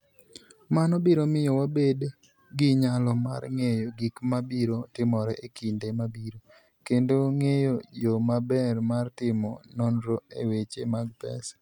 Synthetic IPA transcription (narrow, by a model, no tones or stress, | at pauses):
manɔbiɾomɪjɔwabed | ɡɪɲalɔma̰rŋejoɡikmabiɾotɪmɔɾɛʔekindemabiɾo | kendoŋejojomabɛrmartɪmɔnɔnɾoewet͡ʃemaɡ̚pɛ̰s